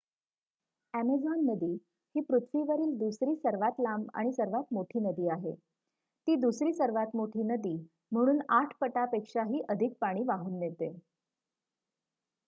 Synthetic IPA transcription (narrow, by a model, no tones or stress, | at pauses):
æmed͡zɔnːəd̪iː | hiːpɾut̪ʰʋiːʋəɾiːld̪usɾiːsəɾʋat̪lama̰ɽ̃isəɾʋat̪moʈʰiːnəd̪iːaɦe | t̪iːd̪usɾiːsəɾʋat̪moʈʰiːnəd̪iː | m̤əɽ̃uːnaʈʰpəʈapekʂaɦiːʔəd̪ʱik̚paɽ̃iːʋaɦuːnjet̪e